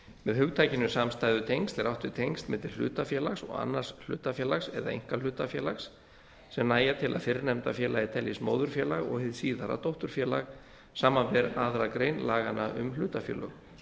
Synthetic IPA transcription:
mɛðhʏɣt̪ʰaːjcɪnʏsamst̪aːjðʏt̪ʰejŋst̪ɛɾawht̪vɪt̪ʰejŋst̪mɛt̪ɪll̥ʏ̰ːt̪afjɛːlaxsɔ̰ɣa̰nːar̥sl̥ʏ̰ːt̪afjɛːlaxsɛðaḛjŋ̥kalʏːt̪afjɛːlaxsː | ɛmnaːjat̪ʰɪlʔa̰ðfɪɾnɛmt̪afjɛːlajɪt̪ʰɛljismoːwðʏɾ̥fjɛːlaɣɔ̰ɣhɪðsiːðaɾa̰t̪owht̪ʏɾ̥fjɛːlaɣ | saːmanvɛɾaðɾakɾejnlaːɣanaʔʏmlʏːt̪afjɛ̰ːlœɣ

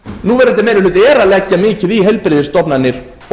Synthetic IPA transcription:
nuvɛɾðɛnt̪ɪmɛːnʏlʏːt̪ɛːɾalɛcːamɪːcɪðiɦejlpɾɪðɪɾ̥st̪ɔpnanːɪɾ̥ | ɔ

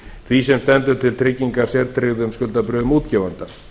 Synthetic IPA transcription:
θʰvisɛmst̪ɛnt̪ʏɾ̥t̪ʰɪlt̪ʰɾɪcːiŋkaɾ̥sjɛɾt̪ɾɪɣðʏmskʏlt̪apɾʏːʏmuːt̪cɛːvant̪a

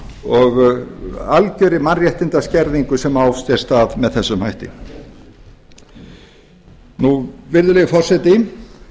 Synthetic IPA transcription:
ɔɣ | alcœɾɪmanrjɛht̪ɪnt̪ascɛɾðiŋkʏsɛmawst̪jɛɾ̥st̪aːðmɛðθɛsːʏmhajht̪ɪ̰ | nuvɪɾðʏlɛɣfɔr̥sɛt̪ɪ

